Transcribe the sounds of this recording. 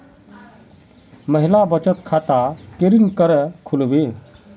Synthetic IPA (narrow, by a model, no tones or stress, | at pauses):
məɦilabət͡ʃət̪kʰat̪akeɾinkəɾəkʰulʋe